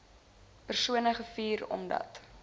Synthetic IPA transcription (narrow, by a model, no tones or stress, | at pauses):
pərsuənəχəfiːɾɔ̰mdɐ̰t